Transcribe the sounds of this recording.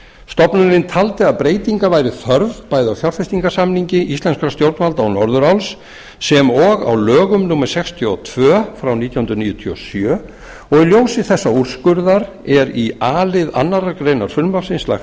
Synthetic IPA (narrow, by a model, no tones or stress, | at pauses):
st̪ɔpnʏɪnt̪ʰalt̪ɪaðpɾeːjt̪iŋkavaːjɾɪθœɾvpaːjðɪawθjawɾfɛjst̪iŋkḁsamniɲcɪʔist̪lɛnskɾast̪jowɾt̪nalt̪awnɔɾðʏɾawlsː | ɛmɔɣa̰wlœːɣʏmnʊmːɛɾ̥sɛkst̪ʰjɔt̪ʰvœːfɾawniːt̪jahʏnɾniːjʏt̪ʰyɔ̰sjœː | ɔɣiljoːwsɪθɛsːauɾ̥skʏɾðaɾ | ɛɾiaːlɪða̰nːaɾaɾkɾejnaɾ̥fʏlmlafsɪnsla̰x